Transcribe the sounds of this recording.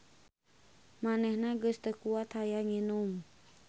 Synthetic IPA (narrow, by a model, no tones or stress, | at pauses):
manɛhnaɡəst̪əkuat̪hajaŋinum